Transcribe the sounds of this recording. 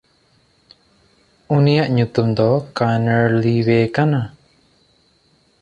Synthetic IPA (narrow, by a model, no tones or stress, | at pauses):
unijaʔɲut̪umd̪ɔkanəɾliwɛkana